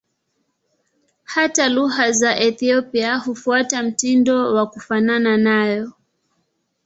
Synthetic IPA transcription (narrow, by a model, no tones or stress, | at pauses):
hataluhazaʔɛθiɔpiahufuatam̩tindɔwakufanananajɔ